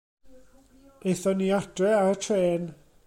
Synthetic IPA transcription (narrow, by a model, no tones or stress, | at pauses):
ejθɔniːadrɛaɾətʰreːn